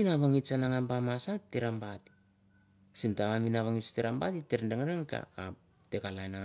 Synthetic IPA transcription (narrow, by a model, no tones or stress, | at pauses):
inaβaŋit͡ʃanaŋambamasateɾambati̥ | simtaβaminaβaŋit͡ʃteɾambatiteɾndeŋaɾeŋka̰ka̰p | tekalajnaŋ